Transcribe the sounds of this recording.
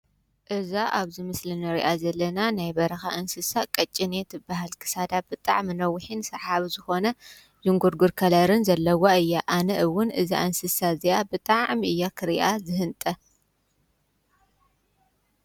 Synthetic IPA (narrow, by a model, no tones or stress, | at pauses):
ʔɨzaʔaβzɨmɨslinɐɾiʔazɐlːɐnanajbɐɾɐxaʔɨnsɨsakʼɐt͡ʃʼinet̪ʰɨbaɦɨlkʰɨ̥sad̪abɨt̪ʼa̰ʕminɐwːɨħinsɐʕaβizɨxo̞nɐ | zɨŋɡuɾɡuɾkʰɐlɐɾɨnzɐlːɐwaɨjːaʔanɐʔɨwːʊnʔɨzḭʔɨnsɨsaziʔabɨt̪ʼaʕʕmiʔɨjːakʰɨɾiʔazɨɦɨnt̪ʼɐ